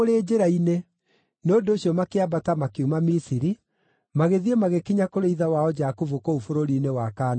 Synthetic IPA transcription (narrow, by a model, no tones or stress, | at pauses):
oɾeːd͡ʒeɾaine | nondooɕjɔmakeabatamakeumamisiɾi | maɣeðiemaɣekiɲakoɾeiðawaɔd͡ʒakuvokoufoɾoɾiːnewakaːna